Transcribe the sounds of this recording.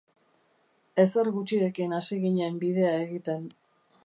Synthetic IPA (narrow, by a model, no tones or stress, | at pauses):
e̞seɾɣut͡ʃiɾe̞kinasiɣiɲːmbið̞e̞ae̞ɣit̪e̞n